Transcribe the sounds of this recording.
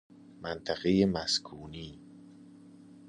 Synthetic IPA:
mænt̪ʰæɣejemæskʰuːniː

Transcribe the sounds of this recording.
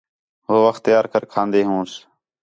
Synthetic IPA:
ɦoːʋəxt̪ːɪjaːɾkəɾkʰãːnd̪eːɦũːs

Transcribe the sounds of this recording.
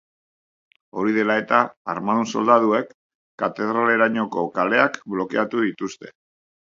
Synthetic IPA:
o̞ɾið̞e̞lae̞t̪a̰ːɾmanuso̞ld̪að̞ue̞kː | at̪e̞ð̞ɾale̞ɾaɲo̞ko̞kale̞akblo̞ke̞at̪uðit̪ust̪e̞

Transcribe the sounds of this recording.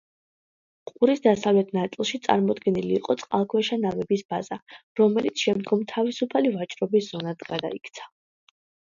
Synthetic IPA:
qʼuɾisd̪asavlɛt̪ʰnat̪sʼilˠʃit̪sʼa̰ɾmɔd̪ɡɛniliːqʼɔt̪sʼqʼa̰lˠkʰwɛʃanavɛbisbazaɾɔmɛlit̪sʰʃɛmd̪ɡɔmt̪ʰavisupʰalivat͡ʃʼɾɔbisz̥ɔnad̪ɡad̪a̰ikʰt̪sʰḁ

